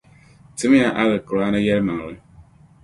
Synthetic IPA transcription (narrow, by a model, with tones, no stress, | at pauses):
tɪ˦m˦a˨˦ʔa˦ɣɨ˨kɨ˨ɾa˦na˦jɛ˦ɾma˨ŋ˨ɾɨ˦